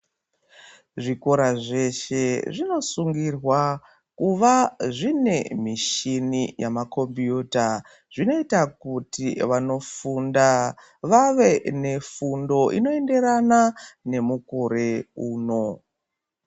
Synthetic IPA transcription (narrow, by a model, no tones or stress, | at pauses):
ʐiko̞ɾaʐe̞ʃe̞ʐino̞suŋɡirwa | kuʋaʐine̞miʃinijamako̞mbjuta | ʐino̞itakutiʋano̞funda | ʋaʋe̞ne̞fundo̞ʔḭno̞e̞nde̞ɾanane̞mukoɾe̞uːno̞